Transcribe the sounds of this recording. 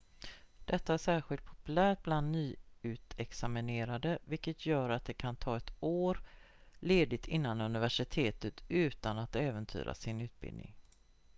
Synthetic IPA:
d̪̥ɛt̪ːaæʂæːɾɧɪlt̪̚pʰɔ̥pɵlæːʈ̚bland̪nyːʉ̟ːt̪ʰɛksamɪneːɾad̪əvɪkːət̪ʰjœːɾat̪̚d̪ɛkʰant̪ʰɑːɛt̪oːɾ | leːd̪ɪt̪ʰɪnːanɵnɪvæʂɪt̪ʰeːt̪ət̪ʉ̟ːt̪anat̪ɛːvənt̪ʰy̰ːɾʔa̰sɪnʉ̟ːt̪̚bɪ̰lnɪ̰ŋ

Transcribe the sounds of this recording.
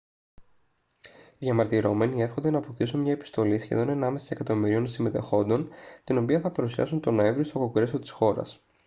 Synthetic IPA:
ʝɐmɐɾt̪iɾo̞me̞nie̞fxond̪e̞nɐːpok̚t̪isunmɲɐepi̥st̪o̞lisçe̞̰ðo̞nenɐme̞sɐ̥i̥se̞kɐt̪o̞miɾio̞nsime̞t̪e̞xo̞nd̪o̞nt̪ino̞piɐθɐpɐɾusiɐ̰sunt̪o̞no̞e̞ɱvɾiost̪o̞ko̞ɡɾesot̪i̥sxo̞ɾɐ̰s

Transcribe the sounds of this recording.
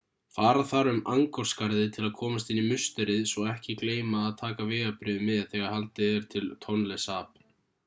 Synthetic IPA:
faːɾaðθaɾʏmaŋkɔɾ̥skaɾðɪt̪ʰɪlaðkʰɔːmast̪ɪnːimʏst̪ɛɾɪðsɔɛhcɪkleːjmaːðt̪ʰaːkavɪːɣapɾɪðʏmɪðθɛɣaɾ̥halt̪ɪɛɾ̥t̪ʰɪlt̪ʰɔnlɛsaːp

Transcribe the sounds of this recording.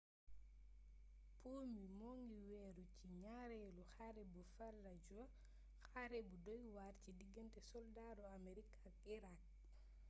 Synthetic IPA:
pumimoŋɡiwɛɾut͡ʃiɲaɾɛluxaɾɛbufalːad͡ʒuwa | xaɾɛbudɔjwaɾt͡ʃidiɡɛntɛsɔldadɔameɾikʰakiɾak̚

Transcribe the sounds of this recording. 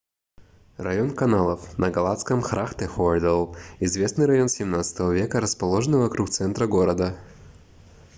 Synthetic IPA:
rɐjonkɐnalˠəfnəɡɐlˠat̪skəmxɾʔaxt̪ɛxod̪əlˠɪzvʲe̞snɨjɾɐjo̞nsʲɪmnat̪sə̥t̪əvəvʲekəɾəspɐlˠoʐənɨvɐkɾuk̚t̪sɛnt̪ɾəɡo̞ɾəd̪ə

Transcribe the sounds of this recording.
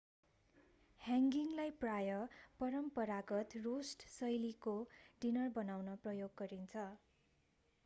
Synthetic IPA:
hjaŋɡiŋlajprajʌpʌɾʌmpʌɾaɡʌt̪rosʈsʌjlikoɖinʌrbʌnawnʌprʌjoɡːʌɾint͡sʰʌ

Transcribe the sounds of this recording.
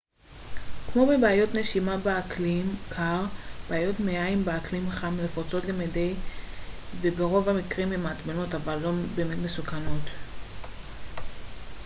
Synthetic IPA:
kmo̞be̞beajo̞tneʃimabeaklimkʰaʁb̥eːjo̞tmeaimbeaklimχamilefot͡so̞tlemedej | vebeʁo̞vamikʁimemaːtbenotavalːo̞be̞ːme̞tme̞sukano̞t

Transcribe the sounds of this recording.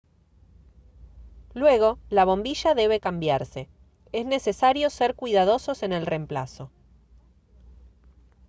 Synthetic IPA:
lwe̞ɣ̞o̞laβ̞o̞mbiʃaðe̞β̞e̞kambjaɾse̞ | ezne̞se̞saɾjo̞seɾkwiðað̞o̞so̞se̞ne̞lre̞mpla̰so̞

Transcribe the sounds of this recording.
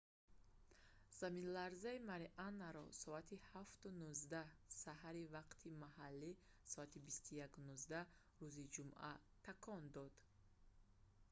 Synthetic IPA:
z̥aminlaɾzaimaɾiʔanːaɾɔsɔat̪ʰihaft̪unuzd̪ahsaɦaɾivaqt̪ʰimahalːi | sɔat̪ʰibist̪ujakunuzd̪a | ruzid͡ʒumʔa̰ | t̪ʰakʰɔnd̪ɔd̪̥

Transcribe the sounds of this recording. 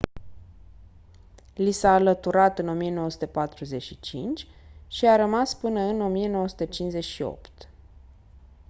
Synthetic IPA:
lisaːlət̪uɾat̪ɨno̞mijenowəsu̥t̪epat̪ɾuze̞ʃit͡ʃḭnt͡ʃʲ | ʃiaɾəmaspɨnəɨno̞mije̞no̞wəsu̥t̪ət͡ʃinze̞ʃio̞̰pt̪

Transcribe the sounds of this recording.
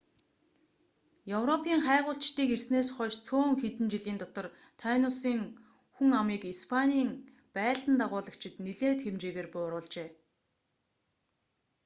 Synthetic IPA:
jɵwrɔpʰiːŋχæːʁʊːɬt͡ɕt̪iːkersneːsχɔʃt͡sʰoːŋxet̪ɘ̆nt͡ɕiɮiːnt̪ɔt̪ɞ̆r | t̪ʰaːnʊsiːŋ | xuŋamiːkispʰaniːŋ | pæːɮt̪ə̆nt̪aʁʊːɮə̆kt͡ɕʰɪ̆t̪niɮeːt̪xemt͡ɕeːɣeːrpʊːɾʊːɮt͡ɕeː

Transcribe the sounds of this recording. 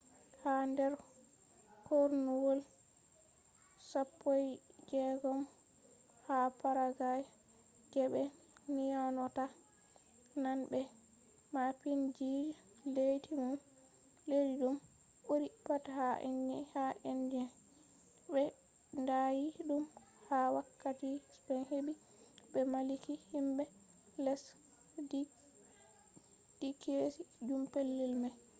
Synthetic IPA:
handɛɾ | koɾnuwol | sapːojd͡ʒɛɡɔm | hapaɾaɡajɛ | ɡɛɓɛ | nijanɔta | nanbɛ | mapind͡ʒid͡ʒ | lejtʰimun | lediɗum | ʔoɾipathaʔḛnːihaʔɛnd͡ʒɛn | bɛ | ndajiɗum | hawakːatispɛnhebi | bɛmalikihimbɛ | lɛs | d | d̥ikesid͡ʒumpelːilmɛ

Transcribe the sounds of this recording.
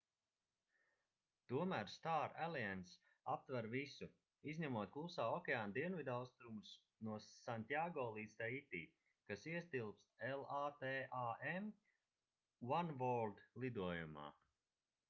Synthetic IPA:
t̪uɔmæːɾst̪aːɾæliɛns | ap̚t̪vaɾvisu | izɲamuɔt̪̚klˠusaːɔkʲeaːnd̪iɛnvid̪awst̪ɾumus | nuɔsanʲt̪ʲiaɡɔːlˠiːd̪st̪ait̪iː | kasiɛst̪ilˠpsɛlˠaːt̪eːʔaːʔem | wanvɔld̪lˠid̪uɔjuma̰ː

